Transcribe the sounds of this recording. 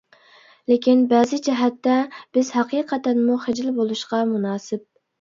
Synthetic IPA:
lekʲinbɛːzɪd͡ʒɛɦɛt̪ːɛb̥ɪz̥hɑqiːqʰɛt̪ɛnmuχed͡ʒɪlbolˠuʃqɑmunɑːsɪp̚

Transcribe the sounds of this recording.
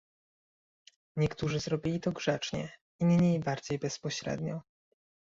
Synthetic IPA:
ɲɛkt̪uʐɘzɾɔbʲilʲit̪ɔɡʐɛt͡ʂɲɛ̰ | imʲɲʲeibaɾd͡ʑejbɛspɔɕɾɛ̰d̪ɲɔ

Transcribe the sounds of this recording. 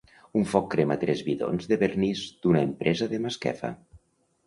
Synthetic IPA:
uɱfɔkːɾemat̪ɾɛzβiðo̰nzðeβernizd̪̥unaempɾʔɛzəðemaskɛ̰fə̰

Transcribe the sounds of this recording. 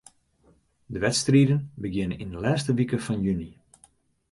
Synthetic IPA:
dəʋɛtstriːdənbəɡjɪnənindəlɛːstəʋikəfɑnjyni

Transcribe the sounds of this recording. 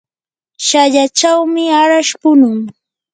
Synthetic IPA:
ʃaʎat͡ʃawmɪaɾaʃpʊnʊŋ

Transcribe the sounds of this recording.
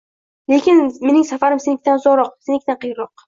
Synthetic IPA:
le̞kʲɪnme̞nɪŋsafaɾɪmsenɪk̚ʲt̪anzɒɾɒqsenɪkʲt̪anqʰɨjɾɒq̚

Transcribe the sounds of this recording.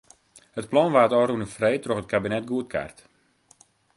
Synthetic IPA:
hət̚plɔnʋaːtɔːrunəfrejtroxət̚kabinɛt̚ɡuətkʰa̰rt

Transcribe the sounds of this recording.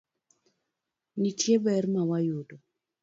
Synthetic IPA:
nitjebɛɾmawajudɔ

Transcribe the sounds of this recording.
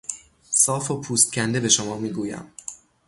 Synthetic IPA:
sɒːfopʰuːst̪̚cʰʲænd̪e̞be̞ʃomɒːmiːɡuːjæ̰m

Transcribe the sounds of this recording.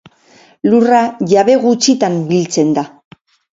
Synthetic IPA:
luraʝaβe̞ɣut͡sit̪ambilt͡se̞nd̪a

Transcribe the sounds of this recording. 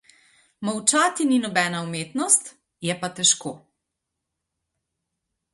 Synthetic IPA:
mɔwt͡ʃaːt̪ininɔbɛːnaumeːt̪nɔst̪ | jɛpat̪ɛʃkoː

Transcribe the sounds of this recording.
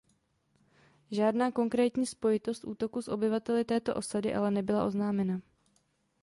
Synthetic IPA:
ʒaːdnaːko̞ŋkɾɛːt̪ɲiːspo̞jɪt̪o̞st̪ʔuːt̪o̞kusʔo̞bɪvat̪ɛlɪt̪ɛːt̪o̞ʔo̞sadɪʔa̰lɛnɛbɪla̰ʔo̞znaːmɛna

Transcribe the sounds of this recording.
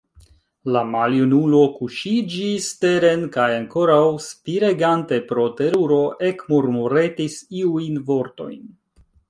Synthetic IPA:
lamaljunulo̞kuʃid͡ʒiste̞ɾe̞nkajaŋko̞ɾawspiɾe̞ɡante̞pɾo̞te̞ɾuɾo̞ʔe̞kmoɾmuɾe̞tisiujnvo̞ɾto̞̰jn

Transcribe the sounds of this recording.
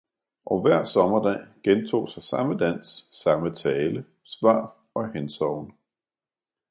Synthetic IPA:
ʔɒʋæɐ̰sɒ̽mɐd̥ɛ̰ːɡ̥ent͡sʰo̝̰ːsɑ̈ɪsɑ̈məd̥æn̰sːɑ̈mət͡sʰɛːlə | sʋɑ̰̈ː | ɒ̽hensɒʊnə

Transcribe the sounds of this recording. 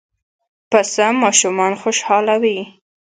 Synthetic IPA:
pasəmɑʃumɑnxoʃhɑlawi

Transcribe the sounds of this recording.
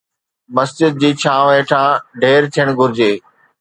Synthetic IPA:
mɐsd͡ʑɪd̪̚d͡ʑiːt͡ɕʰãːʋeːʈʰãːɖʱeːɾt̪ʰijəɽ̃ɡʱʊɾɪd͡ʑeː

